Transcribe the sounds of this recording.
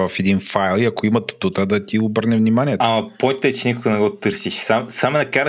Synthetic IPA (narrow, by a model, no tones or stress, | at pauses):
vɐfɛd̪infajlˠiɐkoimɐt̪o̥t̪ut̪əd̪ɐt̪iobəɾnɛvnimaniɛt̪amɐpɔjnt̪ɛt͡ʃɛnikʊɡɐnɛɡɔt̪ɤɾsiʃsamsamɛnɐkaɾ